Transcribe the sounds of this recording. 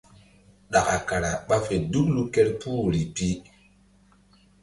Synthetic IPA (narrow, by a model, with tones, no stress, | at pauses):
ɗa˨ka˨ka˨ɾa˨ɓa˦fe˨du˦klu˦kɛ˦ɾpʰuː˦ɾi˨pi˦